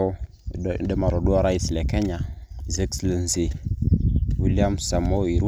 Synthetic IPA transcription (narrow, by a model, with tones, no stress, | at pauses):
də˦ma˨ɾo˨du˦a˦ɾa˦i˦sle˨ke˦ɲa˨ze˦kslə˨nze˨ | wi˨li˦a˦msa˨mo˦i˨ɾu˦